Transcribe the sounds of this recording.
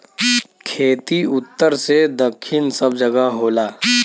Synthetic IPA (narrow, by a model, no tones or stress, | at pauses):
kʰeːt̪iʊt̪ːəɾsed̪ɐkʰːɪnsɐb̚d͡ʒɐɡəɦɦoːlaː